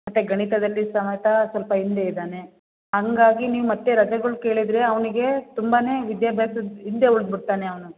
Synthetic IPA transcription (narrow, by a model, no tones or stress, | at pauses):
mɐt̪ːe̞ɡɐɳit̪ɐd̪ɐlːisɐmɐjɐt̪ɐsʋɐlpɐɦind̪e̞id̪aːne̞ | ɦɐŋɡaːɡiniːʋumɐt̪ːeɾɐd͡ʒɐɡɐɭuke̞ːɭid̪ɾe̞ɐʋɐniɡe̞t̪umbaːne̞ːʋid̪jaːbʱjaːsɐd̪ind̪e̞uɭd̪̚biɽt̪aːneɐʋɐnu